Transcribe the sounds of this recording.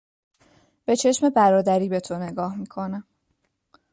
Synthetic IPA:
b̥e̞t͡ʃʰe̞ʃme̞bæɾɒːd̪æɾiːbe̞t̪ʰo̞ne̞ɡɒːhmikʰo̞næm

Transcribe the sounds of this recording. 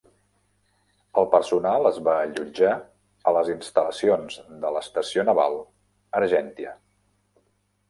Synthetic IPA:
əlˠpəɾsunalˠəzβaʎud͡ʒa | ələzinst̪ələsionzd̪ələst̪əsionəβa̰lˠ | əɾʒɛnt̪iə

